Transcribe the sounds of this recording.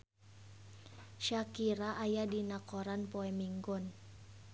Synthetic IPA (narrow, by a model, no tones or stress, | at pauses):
ʃakiɾaʔːjadinakɔɾanpɔɛmiŋɡʊn